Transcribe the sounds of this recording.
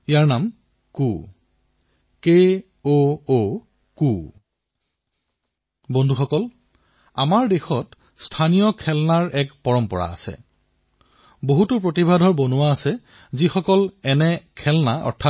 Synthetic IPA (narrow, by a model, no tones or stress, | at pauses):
ijaɹnam | kṵ | ke | oo | ku | bɔndʱuxɔkɔl | a̰maɹdexɔt | stʰanijɔkʰɛlnaɹɛkpɔɹɔmpɔɹa̰ːsɛ̰ | boɦutʊp̬ɹotibʱadʱɔɹbɔnʊwaːsɛ | zixɔkɔlɛnɛkʰɛlnaɔ̰ɹtʰa